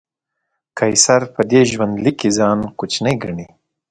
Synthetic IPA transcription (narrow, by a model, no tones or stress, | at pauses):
kʰajsaɾpəd̪eʒwand̪likizɑːnkut͡ʃnajɡaɳi